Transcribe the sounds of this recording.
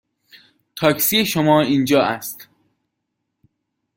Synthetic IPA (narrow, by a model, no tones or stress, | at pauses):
t̪ʰɒːcsiːeʃomɒːiːnd͡ʒɒːʔæst̪